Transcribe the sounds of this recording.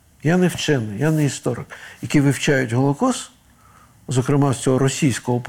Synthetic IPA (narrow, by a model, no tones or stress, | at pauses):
janɛwt͡ʃɛnɪjanɛist̪ɔɾɪ̰kjɐkʲiʋɪwt͡ʃajʊtʲɦɔlˠɔkɔs | zɔkɾɪmɑst͡sʲɔɦɔɾɔsʲijsʲkɔɦɔp